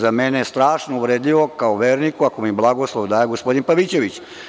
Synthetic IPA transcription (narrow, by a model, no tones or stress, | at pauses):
zamenest̪ɾaːʃnouʋɾeːd̪iʋokaoʋeːɾnikuakomiblˠaɡoslˠoʋd̪aːjeɡospo̞d̪inpaʋit͡ɕe̞ʋit͡ɕ